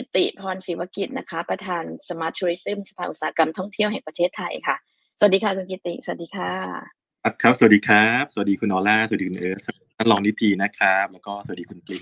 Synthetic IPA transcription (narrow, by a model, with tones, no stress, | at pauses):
ki˧˩t̪ːḭ˨˩pʰɔː˧nsiː˨˩˦wa˧˥ki˨˩t̪̚na˦˥kʰa˦˥pɾa˧t̪ʰaː˧nsa˧maː˦˥t̪ʰu˧ɾi˦˥sɯ˥˩msa˧pʰaː˧˩ʔu˨˩saː˨˦˧ka˧mt̪ʰɔ˥˩ŋt̪ʰi˥˩əwɦɛː˨˩ŋpa˧eː˥˩t̪ʰːa˧jkʰa˥˩ | st̚diː˧kʰaː˧˥˩ku˧nki˧˩t̪ːḭ˨˩sa˧˩a˨˩diː˧kʰaː˧˩ | a˦˥p̚kʰa˦˥p̚sa˨˩˨t̚diː˧kʰɾa˦˥p̚s̚diː˧kʰu˧nʔɔː˧laː˥˩sa˨˩˨iː˧kʰu˧nʔɤː˦˥a˦˧ | a˥˩lɔː˨˩ŋni˦˥t̪ʰiː˧na˦˥kʰɾa˦˥p̚lɛː˦˥wkɔː˥˩sa˨˩˨t̚diː˧kʰu˧npli˨˩